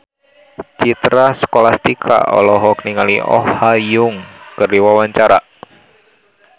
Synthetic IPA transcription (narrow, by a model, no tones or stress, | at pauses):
t͡ʃit̪ɾaskolast̪ikʰa̰ɔ̰lɔɦɔkəniŋaliɔ̰hhajʊŋkəɾiwawaɲt͡ʃaɾaʔ